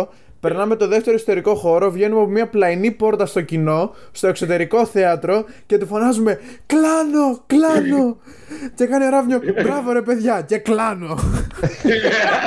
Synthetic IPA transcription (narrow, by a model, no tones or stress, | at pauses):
pe̞ɾnɐme̞t̪o̞ðe̞ft̪e̞ɾo̞iso̥t̪e̞ɾiko̞xo̞ɾo̞vʝe̞numɐpomiɐplɐinipo̞ɾt̪ɐst̪o̞cino̞st̪o̞e̞kso̞t̪e̞ɾiko̞θe̞ɐt̪ɾo̞ce̞t̪ufo̞nɐzume̞ | klɐno̞klɐno̞ | ce̞kɐnioɾɐvɲobɾɐvo̞ɾe̞pe̞ðʝɐce̞klɐno̞